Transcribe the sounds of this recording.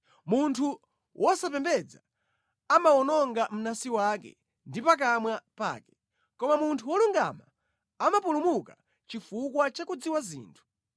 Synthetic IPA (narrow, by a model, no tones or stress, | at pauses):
muntʰu | wʔɔsapɛmbɛd͡za | amaɔnɔŋɡam̩nasiwakɛ̰ | ndipak̬amwapa̰ːkɛ̥ | kɔmamuntʰuwɔluŋɡa̰ma | amapulumuka | t͡ʃifukwat͡ʃakud͡ziwazḭːntʰu̥